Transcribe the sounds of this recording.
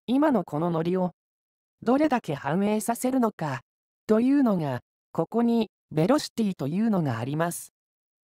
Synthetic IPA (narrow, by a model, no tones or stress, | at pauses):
imano̞kʰo̞no̞no̞ɾʲio̞ | d̪o̞ɾe̞d̪ake̞hãɰ̃e̞ːsase̞ɾɯ̟no̞ka | t̪o̞jɯ̟ːno̞ŋa | ko̞ko̞ɲ̟i | be̞ɾo̞ɕi̥t̪ʲiːt̪o̞jɯ̟ːno̞ŋa̰ːɾʲimasɨ̥